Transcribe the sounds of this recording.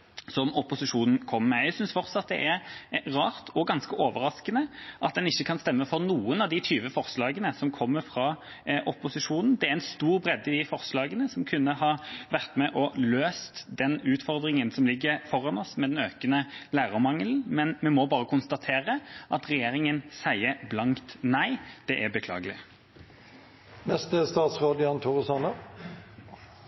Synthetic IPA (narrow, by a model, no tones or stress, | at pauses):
sɔmɔpʊsɪʂuːnn̩kʰɔmːɛæsʏnsfɔɾt̪sɑt̪̚d̪ɛ̰ʔæɾʁɑːʁt̪ʰɔɡɑnskəʔoːʋəɾɑskənəʔɑt̪̚d̪ɛnɪçːəkʰɑnst̪ɛmːəfɔʁnuːənɑʋd̪ɪt̪ʰyːʋəfɔʁslɑːɡənəsɔmkʰɔmːəɾfɾɑ | ʔɔpʊsɪʂuːnn̩d̪ɛæɾɛnst̪uːʁbɾɛd̪ːɪd̪ɪfɔɾslɑːɡənəsɔmkʰʉnːəhɑʋæʁt̪mɛʔɔløːst̪d̪ɛnʉːt̪fɔʁd̪ʁɪŋənsɔmlɪɡːəɾfɔɾɑnɔsmɛd̪ɛnøːkənəlæːʁəmɑŋːəln̩mɛnmɛmɔbɑːʁəkʰʊnst̪ɑt̪ʰeːɾəʔɑt̪ʁɛjeːɾɪŋənsæɪəblɑŋkt̪næɪd̪̥ɛʔæbəkʰlɑ̰ːɡəlɪ | nɛst̪əst̪ɑːt̪sʁoːd̪ɪɑnt̪ʰʊʁəsɑnə